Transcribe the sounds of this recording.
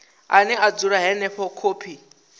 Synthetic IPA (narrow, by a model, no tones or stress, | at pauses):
anɛad͡zuɾaɦɛnɛɸɔkʰoːpʰi